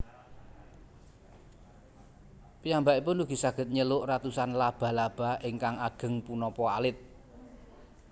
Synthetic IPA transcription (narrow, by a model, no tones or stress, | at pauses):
pijambaʔipʊnuɡ̥i̤saɡ̥ə̤t̪̚ɲəlʊʔrat̪usanlab̥a̤lab̥a̤ɪŋkaŋaɡ̥ə̤ŋpunɔpɔalɪt̪̚